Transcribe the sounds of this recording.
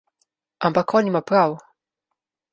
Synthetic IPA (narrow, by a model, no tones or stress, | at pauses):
ampakʰɔnʲimapɾaw